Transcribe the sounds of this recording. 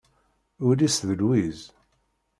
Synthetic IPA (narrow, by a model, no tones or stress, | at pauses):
ʊɾisðəlwiz